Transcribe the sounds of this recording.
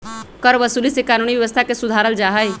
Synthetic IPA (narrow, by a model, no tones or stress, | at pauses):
kəɾʋəsulisekaːnuniʋjəʋəst̪ʰakesud̪ʱaɾəld͡ʒaɦəj